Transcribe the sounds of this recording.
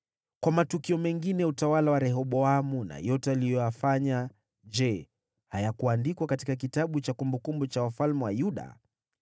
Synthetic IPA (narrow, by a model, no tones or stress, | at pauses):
kwamatukiɔmɛŋɡinɛutawalawaɾɛɦɔɓɔamuna̰jɔtɛalijɔjafaɲa | d͡ʒɛ | hajakuandikwakatikakitaɓut͡ʃakumbukumbut͡ʃawafalmɛwajuɗa̰